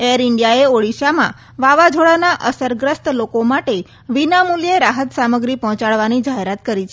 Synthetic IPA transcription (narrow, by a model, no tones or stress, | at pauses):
eɾɪɳɖjaeoɽiʃamã̰ | ʋaʋad͡ʒʱoɭanaʔəsəɾɡɾəst̪lokomaʈe | ʋinamuljeɾaɦət̪saməɡɾipɔɦɔ̃t͡ʃaɭʋanid͡ʒaɦeɾat̪kəɾit͡ʃʰ